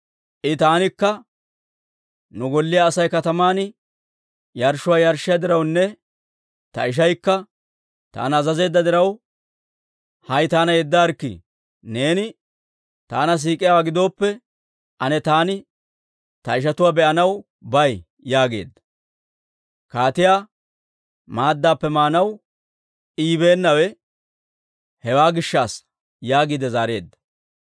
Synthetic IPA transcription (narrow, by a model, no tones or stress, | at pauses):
ʔɪt̪aːnɪkːɐ | nʊɡɔlːɪjaːsɐjkɐt̪ɐmaːn | jɐɾʃʊwaːjɐɾʃːɪjɐd̪ɪɾɐwnːɛ | t̪ɐ̰ɪʃ̬ɐjkːɐ | t̪a̰ːnːzɐze̞ːd̪ːɐd̪ɪɾɐw | hɐjt̪aːnɐjɛd̪ːaɾkːɪ̰ | ne̞ːnɪ | t̪aːnɐs̬iːkʼɪjawaːɡɪd̪o̞ːpːɛ | ʔɐnɛt̪aːnɪ | t̪ɐɪʃ̬ɐt̪ʊwaːbɛʔɐnɐw | bɐj | jaːɡe̞̰ːd̪ːɐ | kaːt̪ɪjaː | maːd̪ːaːpːɛmaːnɐw | iːβe̞ːnːɐwɛ | hɛwaːɡɪʃːaːs | jaːɡiːd̪ɛzaːɾe̞̰ːd̪ːɐ̥